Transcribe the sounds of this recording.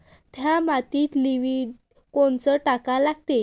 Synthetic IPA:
t̪ʰjamat̪iːt̪liʋiːɖ | koɳt͡səʈakalaɡt̪e

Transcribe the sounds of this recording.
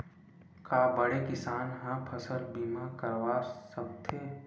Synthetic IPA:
kaːbəɽekɪsaːnɦãpʰɐsəlbiːmãkɐɾʋaːɾsɐb̚t̪ʰeː

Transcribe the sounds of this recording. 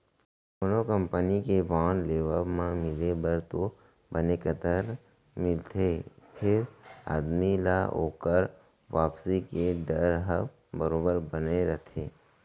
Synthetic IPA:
mənokə̃mpənikebãːnleːʋəmãmɪlebəɾt̪o | bənekət̪əɾ | mɪlt̪ʰepʰɪɾa̰ːd̪milaɦo̰ːkəɾ | ʋaːpsikeɖəɾɦəb | bəɾoːbəɾbəneɾət̪ʰeː

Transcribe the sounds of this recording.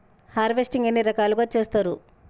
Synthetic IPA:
haːɾʋesʈiŋɡenːiɾɐkaːluɡaːt͡ʃe̞ːst̪aːɾu

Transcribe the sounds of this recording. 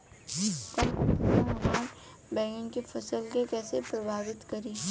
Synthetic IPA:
k̪ɐmɐɡaːn | bɛ̃ːɡɪnkifʰɐsəlkekɛːsepɾɐbʱaːʋɪt̪kɐɾiː

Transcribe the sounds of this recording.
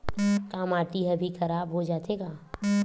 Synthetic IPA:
kaːmaːʈiɦɛbʱikʰɐɾaːbɦod͡ʒaːt̪eːɡaː

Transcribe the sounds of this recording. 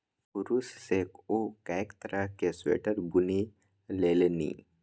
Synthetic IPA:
puɾussekokaekt̪əɾaɦkesʋḛʈəɾbuni | lelenḭː

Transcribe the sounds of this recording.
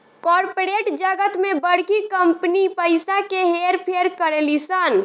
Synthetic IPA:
kɔɾpoɾeʈd͡ʒəɡət̪mẽbəɽ̤kikəmpənipəɪsakeɦeɾpʰeɾkəɾelisən

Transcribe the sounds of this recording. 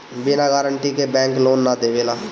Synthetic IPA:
bɪnaɡaːɾəɳʈikebɛ̃ːŋkloːnːad̪eʋelaː

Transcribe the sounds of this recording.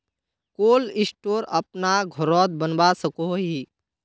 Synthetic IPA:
koːlɪsʈoːɾəpnaɡʱɔɾɔːd̪̚bənbasəkoɦi

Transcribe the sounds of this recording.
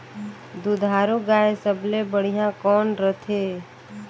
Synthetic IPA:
d̪ud̪ʱaːɾuɡaːesəblebəɽ̤ijãkɔːnɾət̪ʰeː

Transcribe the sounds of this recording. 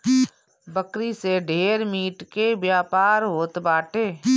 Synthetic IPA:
bəkɾiseɖʱeːɾmiːʈkebjaːpaːɾɦoːt̪baːʈeː

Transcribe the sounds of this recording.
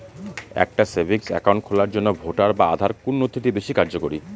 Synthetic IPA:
ɛ̰k̚ʈasebʱiksɛ̰kaw̃ɳʈkʰolaɾd͡ʑonːobʱoʈaɾbaa̰d̪ʱaɾkunːot̪ʰːiʈibeʃikaɾd͡ʑokoɾi

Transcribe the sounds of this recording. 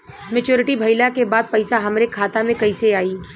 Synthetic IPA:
mɛt͡ʃoːɾɪʈibʱɐɪlakebaːd̪̚pɐɪsaɦɐmɾekʰaːt̪amẽkɐiseaːiː

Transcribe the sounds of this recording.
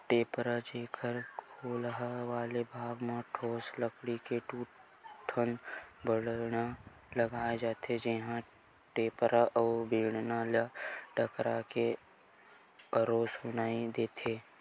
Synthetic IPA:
ʈeːpɾad͡ʒeːkʰəɾkʰoːlɦʋaːlebʱaːɡmãʈʰoːsləkɽikeʈuː | ʈʰənbəɽna | ləɡaːed͡ʒaːt̪ed͡ʒeɦã | ʈeːpɾaʔɔːbiːɽnalaʈəkɾake | əɾoːsʊnaːid̪eːt̪ʰeː

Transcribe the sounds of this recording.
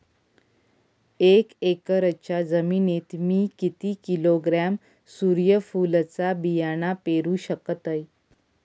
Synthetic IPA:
ekekəɾət͡ɕad͡zəminet̪miːkit̪iːkiloɡɾam | suɾjəfulət͡sabijaɽ̃apeɾuːɕəkət̪əj

